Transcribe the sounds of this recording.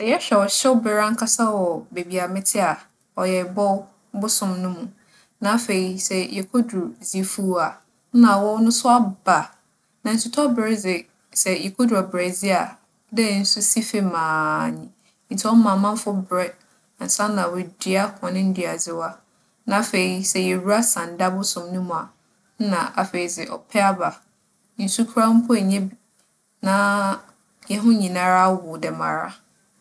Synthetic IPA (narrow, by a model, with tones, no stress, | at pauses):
sɛ˨jɛ˦ɕᶣɛ˨ɔ˨ɕɛ˦wbɛ˨ɾã˦ŋ̩˦kʰa˦sa˦wɔ˨be˨bi˨a˨mɪ̃˦tʰɪ˦a˨ | ɔ˨jɛ˨bɔ˦ | bʊ˦sʊ̃˨mnʊ̃˦mũ˨ | nã˨˦fe˨i˨sɛ˨jɛ˨kʰo˦du˨zi˦fu˦a˨˦ | nã˨wɔ˦nʊ̃˦sʊ˦a˦ba˨ | nã˨n̩˨sʰɪ˦tʰɔ˦bɾɪ˦zɪ˨ | sɛ˨jɛ˨kʰo˦dɾu˨a˨bɾɛ˨zi˦a˨ | dɛ˦˨n̩˦su˦si˦fe˦mãː˨nĩ˨˦ | n̩˨tʰɪ˦ɔ˦mã˨mã˦m˦fʊ˦bɾɛ˦˨ | n̩˨sã˦nːã˨wʊ˨di˨a˦kʰɔ̃˨nɪ̃˦n̩˦dɥa˨d͡zɪ˦wa˦ | nã˨fe˨i˨sɛ˨jɛ˨ɾu˦a˦sã˨n˨da˦bʊ˦sʊ̃˨mnũ˦m̃˨a˨˦ | nã˨ʔa˨fe˨i˨d͡zɪ˨ʔɔ̰˨pʰɛ˦a˦ba˨ | n̩˦su˦kʰu˦ɾa˦m̩˦pʰʊ˦ɛ˨ɲɛ̃˦ | nã˦ | jɛ˦ɦʊ̃˦ɲĩ˨nã˦ɾa˦wʊ˨dɛ˨mã̰˨ɾa̰˦